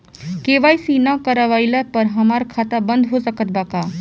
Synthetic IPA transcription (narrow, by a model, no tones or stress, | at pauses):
keːʋaːisinakəɾaʋaːilapəɾɦɐmaːɾkʰaːt̪abə̃nd̪ɦosəkət̪̚baːkaː